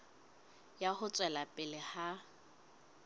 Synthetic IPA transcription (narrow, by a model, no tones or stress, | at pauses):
jahʊt͡sʼwɛlapʼɪlɪha